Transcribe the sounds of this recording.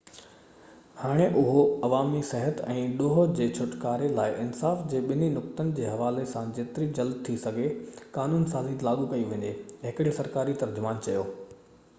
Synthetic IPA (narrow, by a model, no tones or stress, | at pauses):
haːɽ̃eʔʊɦoɐʋaːmisɛɦət̪ɛ̃ːɗoːɦod͡ʑeːt͡ɕʰʊʈkaːɾelaːɪʔɪnsaːfd͡ʑeːɓɪninʊkt̪ənɪ̆d͡ʑeːɦɐʋaːlesãd͡ʑeːt̪ɪɾid͡ʑɐld̪t̪ʰːisɐɡʱekaːnuːnsaːziːt̪laːɠukɐiʋẽːɲdeɦɪkɪɽisɐɾkaːɾit̪ɐɾd͡ʑʊmaːnt͡ɕɐjoː